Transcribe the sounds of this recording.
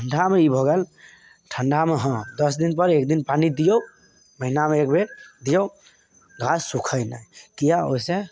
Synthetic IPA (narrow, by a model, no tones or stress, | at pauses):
əɳɖameibʱoɡel | ʈʰəɳɖameɦɔ̃d̪əsd̪inpəɾek̚d̪inpanid̪ijo | məɦinameːk̚bed̪ijo | ɡʱassukʰəjna̰jkijao̰se